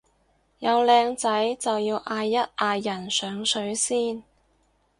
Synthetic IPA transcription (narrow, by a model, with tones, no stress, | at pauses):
jɐ˨˧wlɛː˧ŋt͡sɐ˨˥jt͡sɐ˨wjiː˧wʔaː˧jːɐ˥t̚ʔaː˧jːɐ˨˩nsœː˨˧ŋsɵ˨˥ɥsiː˥n